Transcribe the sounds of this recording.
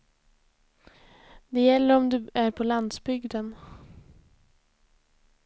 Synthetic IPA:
d̪ɛjɛlːəɾɔmd̪ɵæɾpʰɔland̪sbʏɡd̪ən

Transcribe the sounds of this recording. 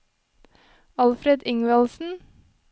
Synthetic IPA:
ɑlfɾed̪ɪŋʋɛlsn̩

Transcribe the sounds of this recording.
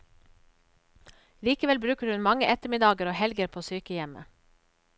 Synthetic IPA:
liːkəʋɛlbɾʉːkəɾhʉnmɑŋəʔɛt̪əmɪd̪ɑːɡəɾoːhɛlɡəɾpʰoːsyːkəjɛmə̰

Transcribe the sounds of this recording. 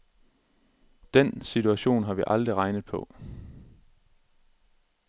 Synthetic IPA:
d̥en̰sit͡sʰuæɕo̝̰ːnɦɑ̈ʋiʔɑ̈ld̥ʁiʁɑ̈ɪnəð̩ˠpʰɒ̽

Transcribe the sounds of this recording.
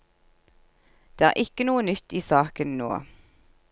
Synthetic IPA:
d̪̥eːæ̰ːʁʔɪkənuːənʏt̪iːsɑːkənno̰ː

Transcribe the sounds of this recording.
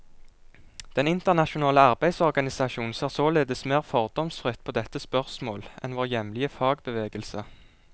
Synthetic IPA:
d̪̥ɛnɪnt̪əʁnɑʃʊnɑːləɑʁbæɪsɔʁɡɑnɪsɑʃuːn̩seːʁsoːleːd̪əsmeːʁfɔʁd̪ɔmsfʁɪt̪pʰoːd̪ɛt̪ːəspœʁsmoːlʔɛ̰nʋoːʁjɛmlɪəfɑːɡbəʋeːɡəlsə

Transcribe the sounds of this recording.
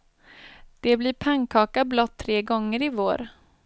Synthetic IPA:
d̪̥ɛblɪːɾpʰaŋkʰɑːkablɔt̪ʰːɾeːɡɔŋːəɾɪvoːɾ

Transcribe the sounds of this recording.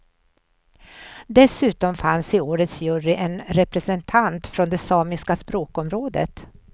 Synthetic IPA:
d̪ɛsʉ̟ːt̪ɔmfansɪoːɾət̪sjɵɾɪʔɛnɾɛpɾɛsɛnt̪ʰant̪fɾɔnd̪ɛsɑːmɪskaspɾoːkɔmɾoːd̪ə̰t̪

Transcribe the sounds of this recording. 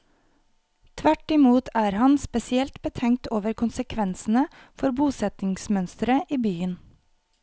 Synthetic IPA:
t̪ʰʋæʈɪmuːt̪ʰæːɾhɑnspɛsɪɛlt̪bət̪ʰɛŋt̪oːʋəɾkʰʊnsəkʰʋɛnsn̩ə | fɔɾbuːsɛt̪ɪŋsmœnst̪ɾəʔiːbyːən

